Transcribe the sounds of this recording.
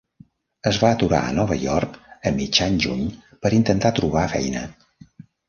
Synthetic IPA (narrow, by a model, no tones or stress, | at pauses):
əzβaət̪uɾa̰ə̰nɔβəjɔrkəmid͡ʒaɲʒuɲ | pəɾint̪ənt̪at̪ɾuβ̞afɛ̰jnə̰